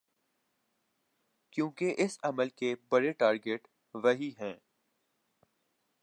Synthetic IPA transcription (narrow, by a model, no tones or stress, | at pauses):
kjõːkeʔɪsɐməlkebɐɾeʈaːɾɡeʈ | ʋɐɦiɦɛ̃ː